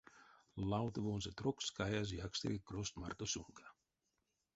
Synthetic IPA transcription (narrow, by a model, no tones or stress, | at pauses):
lawt̪əvonsat̪ɾokskajaz̬jakst̪ḛkekɾost̪ma̰rt̪osuŋkʰḁ